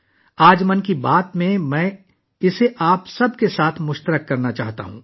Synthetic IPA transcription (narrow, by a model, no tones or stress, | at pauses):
aːd͡ʒmɐnkibaːt̪mẽmɛ̃ː | ɪseʔaːpsɐb̚kesaːt̪ʰmʊʃt̪əɾəkːɐɾnat͡ʃa̰ːɦt̪a̰ɦṵ̃ː